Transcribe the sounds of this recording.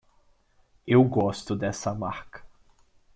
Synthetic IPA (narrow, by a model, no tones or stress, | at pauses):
ewɡɔst̪ʊd̪ɛsɐmaɾkɐ̥